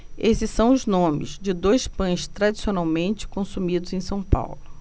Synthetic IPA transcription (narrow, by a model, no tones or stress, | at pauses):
esɪsːɐ̃w̃ʊznõmɪ̰zd͡ʒɪd̪ojspɐ̃j̃st̪ɾad͡ʒisionawmẽnt͡ʃɪ̥kõsumid̪ʊzẽj̃sɐ̃w̃pa̰wlʊ